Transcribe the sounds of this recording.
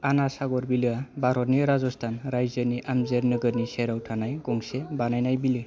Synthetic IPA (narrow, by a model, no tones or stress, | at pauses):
anasaɡɔɾbilɯabaɾɔniɾazɔstʰanɾajzɯɾniʔamzeɾnɯɡɯɾniseɾawtʰanajɡɔŋsebanajnajbilɯ